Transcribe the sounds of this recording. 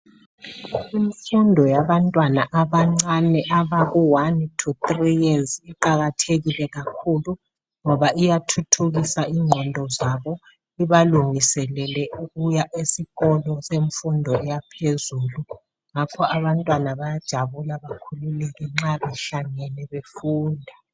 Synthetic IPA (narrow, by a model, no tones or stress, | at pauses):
iɱfundʱɔjaβantʼwanaʔaβaŋ͡ǀanɛʔaβaɣuwantʰutʼrijeziǃaɣatʰeɣilɛɣakʰulu | ŋɔβaʔijatʰutʰuɣisaiŋ͡ǀʱɔndʱɔzaβɔ | iβaluŋisɛlɛlɛʔuɣujaʔesiɣɔlɔseɱfundʱɔɛjapʰezuːlu | ŋakʰɔaβantʼwanaβajad̥ʒ̥ʱaβulaβakʰululɛɣɛŋ͡ǁaβɛɬaŋɛlɛβefuːndʱa